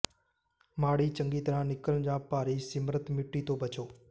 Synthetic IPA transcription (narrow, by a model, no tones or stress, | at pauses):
maːɽiːt͡ʃə̃ŋɡiːt̪ɾãːnɪkəld͡ʒãːpaːɾiːsɪmɾət̪mɪʈːiːt̪oːbʱət͡ʃoː